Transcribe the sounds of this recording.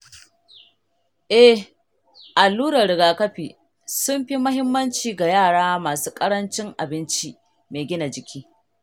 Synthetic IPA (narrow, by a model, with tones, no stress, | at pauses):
ʔɛ˦ | ʔa˨lːuː˦ɾɐ˨ɽɪ˨ɡaː˨kɐ˦ɸiː˨ | sʊ˦mɸi˦mɐ˦ɦɪ˦mːɐ˦nt͡ʃiː˨ɡa˨jaː˦˨ɽaː˦maː˨suː˦kʼɐ˦ɽɐ˦nt͡ʃɪ˦ŋʔa˨bɪ˦nt͡ʃi˦ | meː˨ɡʲɪ˦na˨d͡ʒɪ˨kʲʰiː˦